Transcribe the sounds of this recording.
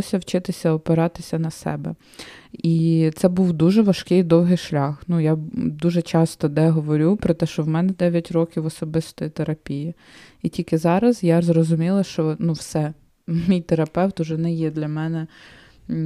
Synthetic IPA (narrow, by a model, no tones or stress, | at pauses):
ɔsʲɐwt͡ʃɪt̪ɪsʲɐɔpeɾɑt̪ɪsʲɐnɐsɛ̰bɛ | it̪sɛbuwd̪uʒɛʋɐʃkɪjd̪ɔwɦɪjʃlʲɑxnujad̪uʒɛt͡ʃɑst̪ɔd̪ɛɦɔʋɔɾʲupɾɔt̪ɛʃt͡ʃɔwmɛnɛd̪ɛʋʲjɐtʲɾɔkʲiwɔsɔbɪst̪ɔjit̪eɾɐpʲiji | itʲilʲkɪzɑɾɐzjazrɔzʊmʲilˠɐʃt͡ʃɔnuwsɛ | mʲijt̪eɾɐpɛwt̪ʊʒɛnɛjɛd̪lʲɐmɛnɛ